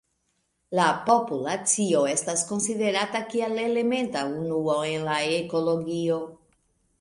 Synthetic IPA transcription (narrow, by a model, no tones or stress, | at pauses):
lapo̞pulat͡sio̞e̞stasko̞nside̞ɾatakialele̞me̞ntaunuoe̞nlaeko̞lo̞ɡio̞